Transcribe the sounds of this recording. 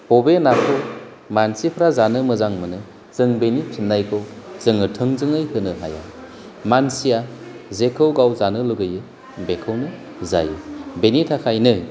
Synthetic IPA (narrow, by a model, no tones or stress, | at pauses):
hobenakʰow | mansipʰɾazanɯmɯzaŋmɯnɯ | z̥ɯŋbenipʰinːajkʰɯwz̥ɯŋɯtʰɯŋzɯŋɯjhɯnɯɦa̰ja̰ | mansijazekʰɯwɡawzanɯluɡɯjɯ | bekʰɯwnɯ | za̰jɯ̰benitʰakʰajnɯ